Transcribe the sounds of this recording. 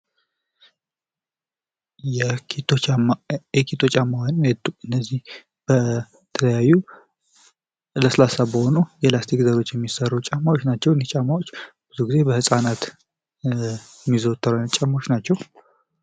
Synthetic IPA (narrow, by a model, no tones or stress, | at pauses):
jɛkʰit̪ʰo | jɛkʰit̪ʰo̞t͡ʃʼamːawanɨnːəzːih | b̥ə | t̪ʰələjajːu | ləsɨlasabəho̞nujɛlast̪ʰikzəɾo̞t͡ʃːjɛmːisərːut͡ʃʼamːawot͡ʃnat͡ʃːɛwnit͡ʃʼamawot͡ʃː | b̥ɨzuɡize̞bəhɨsʼanat̪ | ɛmːizot̪ʰːəɾalt͡ʃʼamawot͡ʃːnat͡ʃːɛw